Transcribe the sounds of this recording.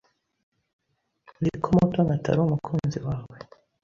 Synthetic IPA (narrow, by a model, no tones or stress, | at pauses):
dikʰomotoŋɡata̰ɾoumukʰuːnziwaːwe